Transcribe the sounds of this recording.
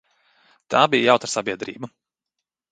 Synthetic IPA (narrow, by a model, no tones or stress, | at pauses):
t̪aːbijjawt̪aɾsabʲiɛd̪ɾḭːbu